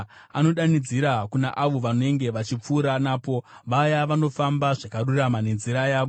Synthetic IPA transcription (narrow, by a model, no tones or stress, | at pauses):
a̰no̞ɗanid͡ziɾakunaʔaʋo̞ʋano̞eŋɡe̞ʋat͡ʃip͡fuːɾanaːpo̞ʋajaʋano̞fambaʐakaruramane̞nziɾajaːʋo